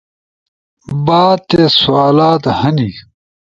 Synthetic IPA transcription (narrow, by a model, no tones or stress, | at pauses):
baːd̪̚t̪esuaːlaːt̪hɐni